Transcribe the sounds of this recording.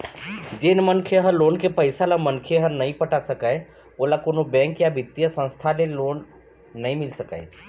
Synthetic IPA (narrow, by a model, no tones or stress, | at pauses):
d͡ʒɪnmənkʰeɦəloːnkepəɪsalamənkʰeɦənɐĩpəʈasəkae | oːlakoːnobɛ̃ːŋkjabɪt̪ːijəsə̃nst̪ʰaleloːnː | ɐɦĩmɪlsəka̰e